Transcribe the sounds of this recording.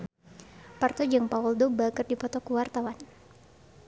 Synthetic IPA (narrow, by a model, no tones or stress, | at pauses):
part̪ɔd͡ʒaŋpaɔldobaɡərdipɔt̪ɔkəwart̪awan